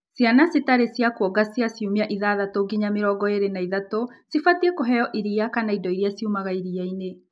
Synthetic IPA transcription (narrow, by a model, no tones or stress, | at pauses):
sjanasitaɾesjakwɔɡasjasjumeaʔiðaðatoɡiɲameɾɔːɡɔeɾenaiðatosifatiekoɦɛjɔʔiɾiakanaidɔiɾiasjumaɣaiɾiaine